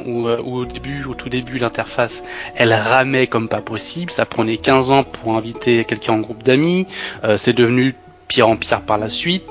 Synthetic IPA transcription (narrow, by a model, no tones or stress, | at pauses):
uøuod̪ebyot̪ʰud̪ebylɛ̃t̪ɛʁfasɛlʁamɛkɔmpapɔsiblsapχənɛkʲɛ̃zɑ̃pʰuʁɛ̃vit̪ʰekʲɛlkʲɛ̃ɑ̃ɡʁupd̪amiøsɛd̪əvny | pjɛʁɑ̃pjɛʁpaʁlasɥit̪